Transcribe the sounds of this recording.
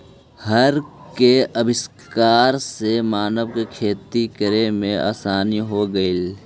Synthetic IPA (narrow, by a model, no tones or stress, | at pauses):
hɐɾkeɐbɪs | kaːɾsemaːnəʋkekʰeːt̪ikəɾemẽʔa̰ːsaːniɦoɡəil